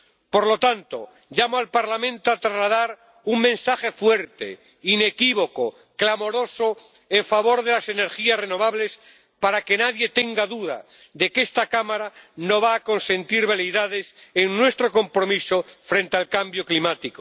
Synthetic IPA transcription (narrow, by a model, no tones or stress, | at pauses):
po̞ɾlo̞t̪ant̪o̞̰ | ʎamoalpaɾlamẽ̞nt̪oat̪ɾazlaðaɾ | uŋmẽ̞nsaχe̞fwe̞ɾt̪ḛ | ine̞kiβ̞o̞ko | klamo̞ɾo̞so | eɱfaβ̞o̞ɾðe̞lase̞ne̞ɾxiasre̞no̞β̞aβle̞s | paɾake̞naðje̞t̪e̞ŋɡaðuða̰ | ðe̞kest̪akamaɾano̞βaːko̞nsẽ̞nt̪iɾβeleðað̞e̞seŋnwe̞st̪ɾo̞ko̞mpɾo̞miso̞fɾe̞nt̪ealkambjo̞klimat̪iko